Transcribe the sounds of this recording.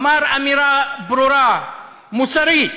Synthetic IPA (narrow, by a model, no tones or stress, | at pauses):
maɾamiɾabɾoɾa | musaɾi